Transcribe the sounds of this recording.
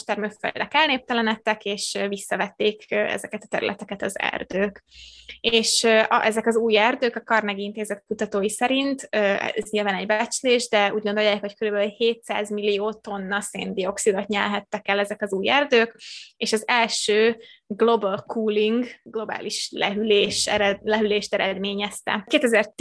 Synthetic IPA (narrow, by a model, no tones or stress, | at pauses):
ʃt̪ɛrmøkfø̰d̪ɛkɛlneːp̚t̪ɛlɛnɛt̪ːɛkeːʃvisːɒvɛt̪ːeːkːɛ̰zɛkɛt̪ɒ̥t̪ɛ̰ɾy̰lʔɛ̰t̪ɛkɛt̪ɒzɛ̰rd̪øːk | eːʃøʔɛzɛkɒzuːjɛrd̪øːkɒkɒrnɛɡint̪eːzɛt̪kut̪ɒt̪oːjisɛɾint̪øɛ̰zɲilvaːnɛɟbɛt͡ʃleːʒd̪ɛuːɟɡo̞nd̪o̞jːaːkho̞ckøɾybɛylheːt̪sa̰ːzmilːioːt̪o̞nːɒsḛːnd̪io̞ksid̪o̞t̪ɲɛlɦɛt̪ːɛkɛlɛzɛkɒzuːjɛrd̪øːkeːʃɒzɛlʃøːɡlo̞bɒlkʰuːliŋɡɡlo̞ba̰ːliʃlɛɦyleːʃlɛɦyleːʃt̪ɛɾɛd̪meːɲɛst̪ɛ̰keːt̪ɛzɛr